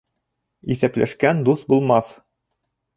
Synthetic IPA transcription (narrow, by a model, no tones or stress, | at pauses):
iθæplæ̰ʃkænd̪uθbulˠmɑθ